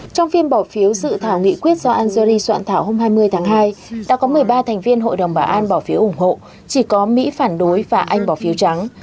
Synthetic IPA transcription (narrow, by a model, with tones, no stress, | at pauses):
t͡ɕɔ˧wŋ͡mfi˧mɓɔ˧˩fi˨˦əwzɨ̰˧˨t̪ʰaː˧˩wŋḭ˧˨kwi˦˥ət̚z̥ɔ˧ʔaː˧nza˧ɾi˧swa̰ː˧˨nt̪ʰaː˧˩who˧mɦaː˧jmɨ˧əjt̪ʰaː˨˦ŋɦaː˧jɗa̰ː˧˥kɔ˨˦mɨ˨˩əjɓaː˧t̪ʰɛ˨˩ŋ̟vi˧ənɦo̰˧˨jɗə˨˩wŋ͡mɓaː˧˩ʔaː˧nɓɔː˧˩fi˨˦əwʔʊ˧˩ŋ͡mho̰˧˨ | t͡ɕi˧˩kɔ˨˦mḭ˧˥faː˧˩nɗo˨˦jvaː˨˩ʔa˧jŋ̟ɓɔ˧˩fi˨˦wt͡ɕa˨˦ŋ